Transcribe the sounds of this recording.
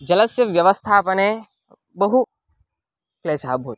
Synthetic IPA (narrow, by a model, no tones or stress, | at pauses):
d͡ʒɐləsjəʋjɐʋəst̪ʰapəne | bəɦu | kleːt͡ʃaːbɦoːt̪